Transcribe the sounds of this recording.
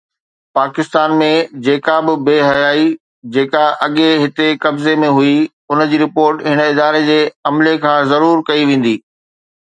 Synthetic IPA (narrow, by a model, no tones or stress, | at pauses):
paːkɪst̪aːnmẽd͡ʑeːkabɪbeːɦɐjaːi | d͡ʑeːkaʔɐɠeɦɪt̪ekɐbzemẽɦui | ʊnd͡ʑiːɾɪpoːɾʈɦɪnəɪd̪aːɾed͡ʑeːɐmlekʰãːzɐɾuːɾkɐiʋẽːn̆d̪iː